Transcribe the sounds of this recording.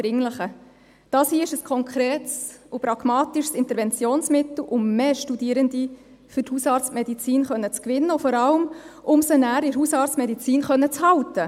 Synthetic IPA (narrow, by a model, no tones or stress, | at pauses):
ɾɪŋləχə | d̥ɑːshiːəɪʃəskʰɔŋkʰχɾeːtsʊpɾɑɡ̥mɑːt̪iʃsɪnt̪əɾvɛnt͡sjoːnsmɪt̪l̩ʔʊmmeːʃtudiːəɾənd̪i | fɵthusɑːɾt͡stmɛdit͡siːnχœnːət͡skʋɪnːəʊfɔɾɑləmʊmsənæːɾɪɾɦusɑːɾt͡stmɛdit͡siːnχœnːət͡shɑʊtə